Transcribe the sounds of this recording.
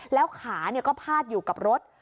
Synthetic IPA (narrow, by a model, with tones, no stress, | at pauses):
lɛː˦˥wkʰaː˩˦ni˥˩kɔː˥˩pʰaː˥˩t̪̚juː˨˩ka˨˩p̚ɾo˦˥t̪̚